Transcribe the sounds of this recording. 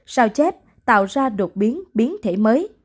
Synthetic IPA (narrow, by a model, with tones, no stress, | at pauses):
saː˧wt͡ɕɛ˦˥p̚ | t̪a̰ː˧˨wzaː˧ɗɨ˨˩t̚ɓi˨˦ənɓi˨˦ənt̪ʰe˧˩məː˨˦j